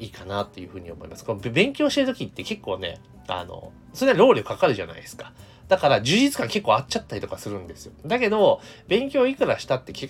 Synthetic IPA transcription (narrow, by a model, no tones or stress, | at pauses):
iːkanat̪ːe̞jɯ̟ɸɯ̟ːɲ̟io̞̰mo̞imasɨ̥konbẽ̞ŋkʲo̞ːɕi̥t̪eɾɯ̟t̪o̞kʲit̪ːe̞ke̞kːo̞ːne̞̰ | a̰no̞̰ | soɾeaɾo̞ːɾʲiokakaɾɯ̟ʑa̰na̰id̪e̞sɨ̥kḁ | d̪̥akaɾad͡ʑɨːʑit͡sɨ̥kãŋke̞kːo̞ːat͡ɕːat̪ːaɾʲit̪o̞kasɨɾɯ̟̃nd̪e̞sɨjo̞̰d̪ake̞d̪o̞bẽ̞ŋkʲo̞ːikɯ̟ɾaɕi̥t̪at̪ːe̞ke